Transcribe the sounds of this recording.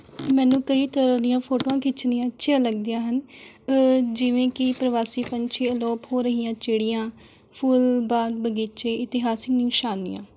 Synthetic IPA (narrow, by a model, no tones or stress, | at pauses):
mɛ̃ːnũːkəiːt̪əɾãːd̪ɪjãːpʰoːʈoːãːkʰɪt͡ʃnĩːãːətːʃʰijãːləɡd̪ijãːɦən | d͡ʒɪʋẽːkɪpɾəʋaːsiːpəɲt͡ʃʰeːəlɔːphoːɾəɦiːãːt͡ʃeːɽɪjãː | pʰuːlbaːɡbəɡiːt͡ʃeːɪt̪ɪɦaːsɪknĩːʃaːnḭjã̰ː